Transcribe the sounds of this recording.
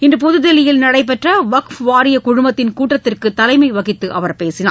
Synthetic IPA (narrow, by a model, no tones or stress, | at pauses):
ɪndrɯpʊðɯðɛlɪjɪlnɐɽɐɪp̬ːɛʈrɐʋɐkfʋaːɾɪjɐkʊɻʊmbɐt̪ːɪnkuːʈːɐt̪ːɪrkɯt̪ːɐlɐɪmɐɪʋɐɣɪt̪ːɯʔɐʋɐɾpeːsɪna̰ː